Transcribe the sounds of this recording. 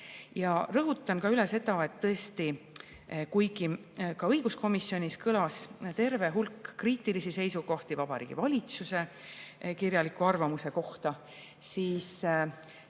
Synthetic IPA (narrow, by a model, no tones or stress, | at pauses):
jɑrɤɦut̪ːˑɑnkɑyle̞se̞t̪ɑet̪ːɤ̞est̪i | kujɡi | kɑɤjɡ̥usko̞misːjo̞nʲiskɤlɑst̪e̞rve̞ɦulkːriːt̪ˑilisise̞jsuɡ̥o̞ht̪ivɑb̥ɑɾḭːɡ̥ḭvɑlʲit̪suse̞ | kirjɑlikːˑuɑrvɑmuse̞ko̞ht̪ɑ | siːs